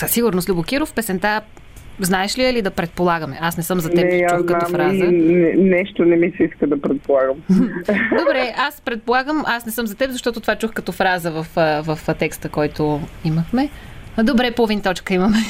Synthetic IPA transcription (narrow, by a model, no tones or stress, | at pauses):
səsiɡʊɾnoslʲubokiɾofpɛsɛnt̪a | znaɛʃliəlid̪ɐpɾɛt̪̚polˠaɡəmɛʔasnɛsɤmzɐt̪nɛɛjat͡ʃuxkɐnaɔmfɾazənɛnɛʃt̪onɛmisɛiskəd̪ɐpɾɛt̪̚polˠaɡəm̩d̪obɾɛaspɾɛt̪̚polˠaɡəmʔasnɛsɤmzɐt̪ɛpzɐʃt̪ɔt̪ʊt̪ovat͡ʃuxkɐt̪ɔfɾazəvɐfvɐft̪ɛkst̪əkɔjt̪oiməxmɛd̪obɾɛpovint̪ɔt͡ʃkəimɐmɛ